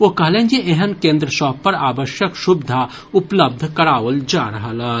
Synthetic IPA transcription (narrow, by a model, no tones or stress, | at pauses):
ʋokɐɦlẽːnd͡ʒiʔeɦənkẽːnd̪ɾəʃɔːpːɐɾaːʋəʃjəkʃʊbd̪ʱa | ʊpləb̚d̪ʱkɐɾaːʋəld͡ʒaːɾɐɦalaː